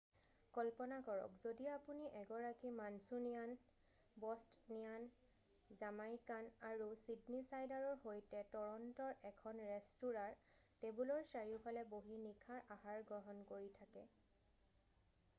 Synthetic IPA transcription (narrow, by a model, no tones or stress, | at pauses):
kɔlpɔnakɔɹɔ̰kzodiapuniʔɛɡɔɹakimansunijan | bɔstnijan | zamajkanaɹusidnisajdaɹɔɹɦojtɛtɔɹɔntɔɹʔɛkʰɔnɹɛstuɹaɹ | tebulɔɹsaɹiʊpʰalɛboɦinikʰaɹʔaɦaɹɡɹɔɦɔnkoɹitʰakɛ